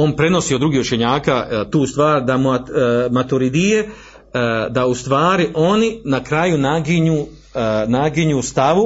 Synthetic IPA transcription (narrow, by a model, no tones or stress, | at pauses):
o̞ːnpɾe̞no̞siːod̪ɾuɡiːhut͡ʃe̞ɲaːkat̪uːst̪ʋaːɾd̪ammat̪uɾid̪ije | d̪aust̪ʋaːɾiʔo̞ninakɾajunaɡiɲuː | naɡiɲuːst̪aʋu